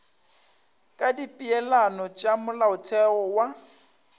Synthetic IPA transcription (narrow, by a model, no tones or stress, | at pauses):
kʼadipʼiɛlanɔt͡ʃʼamʊlaʊtʰɛɔwa